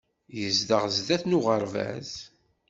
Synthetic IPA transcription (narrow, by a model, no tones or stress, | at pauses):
jəzd̪əʁzðæθnʊʁəɾvæ̰z